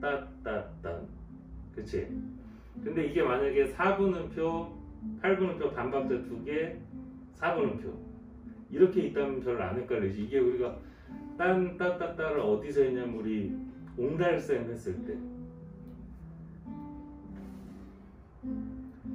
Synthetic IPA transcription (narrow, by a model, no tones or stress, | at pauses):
t͈at͈at͈a̰n | kɯt͡ɕʰḛ | kɯnde̞iɡe̞maɲaɡe̞sʰabɯnɯnpʰjo | pʰaɭbunɯnpʰjopanbap̚t͈etuɡe̞ | sʰabunɯnpʰjo̰ | iɾʌkʰe̞it͈̚amʌnpjʌɾɯɾa̰nɯɭk͈aɾeɕʰiiɡe̞uɾiɡa | t͈ant͈at͈at͈aɾɯɾʌdisʰʌiɲamuɾiondaɭs͈aimɦe̞s͈ɯɭt͈e̞̰